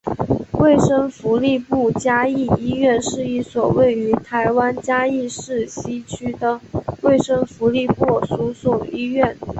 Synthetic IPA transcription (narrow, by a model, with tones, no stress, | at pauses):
we˥˩ɪʂə˥ŋfu˧˥li˥˧pu˥˩t͡ɕja˥i˥˩i˥ɥɛ˥˧nʂɻ̩˥˧i˥˩swɔ˨˩we˥˩ɪy˧˥t̪ʰa˧˥ɪwa˥nt͡ɕja˥i˥˧ʂɻ̩˥˩ɕi˥t͡ɕʰy˥d̪ə˨we˥˩ɪʂə˥ŋfu˧˥li˥˧pwɔ˥˩su˧˥swɔ˨˩i˥ɥɛ˥˩n